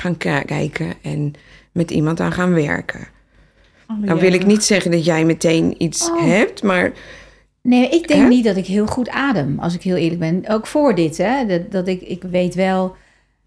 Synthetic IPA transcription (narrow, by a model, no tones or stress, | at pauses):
χaːnkkɛ̰jkʰəɛn | mɛtḭmɑnta̰ːnχaːnʋɛ̰ɹkʰə̰ | awʋɪlˠɪknitsɛχəndɑtjɛjmətejnitsɦɛp̚tmaːɹ | nemaʔɪk̚dɪŋŋknit̚dɔtɪkɦɪəlˠχutaːdəmɑ̰lˠs̬ɪkɦɪːlˠɪːɹrlək̚bɛnowkfoːɹdɪtɛddɔtɪkɪkʋejtʋɛlˠ